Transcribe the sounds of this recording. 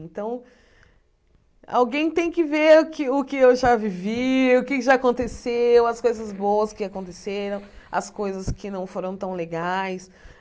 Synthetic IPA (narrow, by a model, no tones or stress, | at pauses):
nt̪ɐ̃w̃ | a̰wɡẽj̃t̪ẽj̃kɪveɾʊkɪʊkɪewʒaviviʊkɪʒaːkõnt̪esewɐskojzɐzbowɐskɪakõnt̪eseɾɐ̃w̃ɐ̰skojzɐskɪnɐ̃w̃foɾɐ̃w̃t̪ɐ̃w̃leɡajs